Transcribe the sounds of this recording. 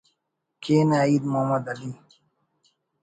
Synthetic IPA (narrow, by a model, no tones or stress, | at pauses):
kʰeːnaːid̪moːmɐd̪ɐli